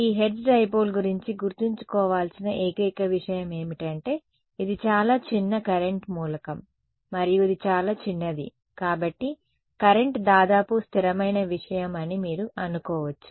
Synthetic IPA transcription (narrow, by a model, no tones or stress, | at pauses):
iːɦe̞ɖɖɖɐjpoːlɡuɾiɲt͡ʃiɡuɾt̪iɲt͡ʃu̥kɔːʋaːlsinɐʔeːkɐːkɐʋiʂɐjɐme̞ːmiʈɐɳʈe̞ː | id̪it͡ʃaːlaːt͡ʃinːɐkɐɾe̞ɳʈmuːlɐkɐmː | ɐɾijuid̪it͡ʃaːlaːt͡ʃinːɐd̪ḭ | kaːbɐʈːi | kɐɾe̞ɳʈd̪aːd̪aːpust̪ʰiɾɐmɐjnɐʋiʂɐjɐmɐnimiːɾuʔɐnukɔːʋɐt͡ʃːu̥